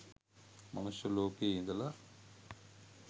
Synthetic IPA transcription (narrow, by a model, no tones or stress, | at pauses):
mɐ̰nusjɐloːkeːind̪ɐla